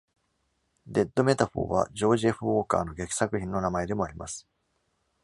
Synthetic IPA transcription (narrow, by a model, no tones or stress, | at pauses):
d̪e̞d̪ːo̞me̞t̪aɸo̞̰ːβa̰d͡ʑo̞ːʑieɸɯ̟o̞ːka̰ːno̞ɡe̞kʲi̥sakɯ̟çĩnːo̞namae̞d̪e̞mo̞aɾʲimasɨ̥